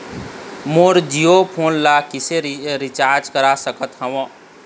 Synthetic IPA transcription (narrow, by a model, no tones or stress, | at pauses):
moːɾd͡ʒijopʰoːnlakɪseɾɪt͡ʃaːɾd͡ʒkəɾasəkət̪ɦə̃wã